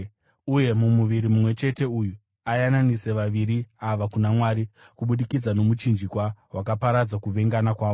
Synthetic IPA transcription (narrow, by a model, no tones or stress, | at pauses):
uje̞mumuʋiɾimumwe̞t͡ʃe̞te̞uju | ajananise̞ʋaʋiɾiaʋakunamwaɾi | kuɓuɗikid͡zano̞mut͡ʃind͡ʒikwawakapaɾad͡zakuʋe̞ŋɡanakwaːʋo